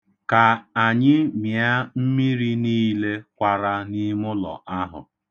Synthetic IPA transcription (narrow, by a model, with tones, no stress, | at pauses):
ka˨a˨ɲɪ˦mja˦m̩˦mi˦ɾi˦niː˦le˦kʷa˨ɾa˦ni˦mʊ˦lɔ̰˨ʔa˦ɦʊ̰˨